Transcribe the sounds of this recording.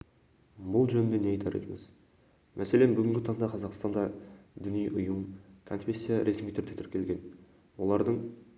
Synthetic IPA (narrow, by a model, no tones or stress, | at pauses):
bʊlˠʒɵnɪnd̪e̞neɑjt̪ʰɑɾḛt̪ɪŋɪz̥ | mʔæse̞lenbʏɡʲɪŋɡʲɪt̪ʰɑɴd̪ɑqʰɑzɑqst̪ɑnd̪ɑd̪ʏnijʔʊjəmkʰo̞nfʲe̞sːijaɾʔe̞smijt̪ʰʏɾd̪e̞t̪ʰʏɾkʲe̞lɡʲe̞n | wo̞lˠɑɾd̪əɴ